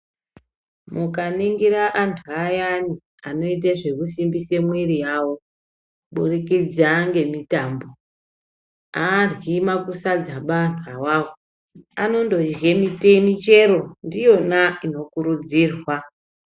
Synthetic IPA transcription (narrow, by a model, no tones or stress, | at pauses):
mukaniŋɡiɾaʔantʰuajani | ano̞it̬eʐe̞kusimbisemwiɾijawo̞ | ɓurikid͡zaŋɡe̞mitaːmbo̞ | arwimakusad͡zaɓantʰuawawo | a̰no̞ndo̞d͡ʒɣe̞mitemit͡ʃe̞ɾo̞ndijo̞naino̞kuɾud͡ziːrwa